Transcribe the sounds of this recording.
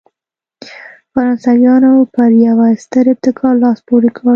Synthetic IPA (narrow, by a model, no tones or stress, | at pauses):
faɾɑnsawjɑnopəɾjawast̪əɾɪp̚t̪ɪkʰɑɾlɑspoɾekə